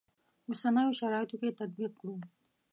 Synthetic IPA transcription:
ʊsanɑjoʃaɾɑɪt̪oket̪at̪̚biq̚kɽu

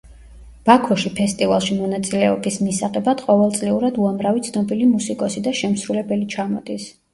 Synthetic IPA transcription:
b̥akʰɔʃipʰɛst̪ʼivalˠʃimɔnat̪sʼilɛɔbismisaʁɛbad̪̥qʼɔvɛlˠt̪sʼliuɾad̪uamɾavit̪sʰnɔbilimusikʼɔsid̪aʃɛmsɾulɛbɛlit͡ʃʰamɔd̪̥is

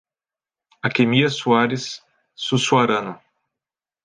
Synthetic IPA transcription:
akemiɐsuaɾɪsː | usuaɾɐ̃nɐ

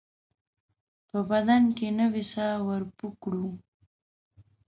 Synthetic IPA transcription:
pəbad̪ankenəwisɑwəɾpukɽu

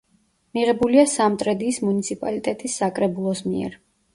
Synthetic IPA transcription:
miʁɛbuliasamt̪ʼɾɛd̪iːsmunit̪sʰipʼalit̪ʼɛt̪ʼisːakʼɾɛbulˠɔsmiɛ̰ɾ

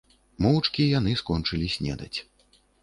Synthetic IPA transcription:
mɔwt͡ʂkʲijanɨskɔnt͡ʂɨlʲisʲnʲɛ̰d̪ɐt͡sʲ

